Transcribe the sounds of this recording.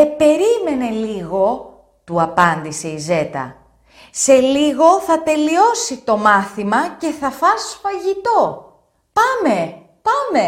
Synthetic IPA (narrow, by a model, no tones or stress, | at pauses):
epe̞ɾime̞ne̞liɣo̞ | t̪uɐpɐnd̪ise̞ize̞t̪ɐ̰ | se̞liɣo̞θɐt̪e̞lio̞sit̪o̞mɐθimɐce̞θɐfɐsfɐʝit̪o̞ | pɐme̞ | pɐme̞